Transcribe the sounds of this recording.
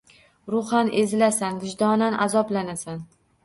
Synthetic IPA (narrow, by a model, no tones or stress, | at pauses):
ɾʊχanezɪlasanɡɪʃd̪ɒnanʔazɒblanasan